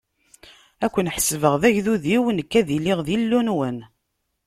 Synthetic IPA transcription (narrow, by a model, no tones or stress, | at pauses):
ækʷːənħsvəʁðæʝðuðiwənkːæðiliʁðilːunwən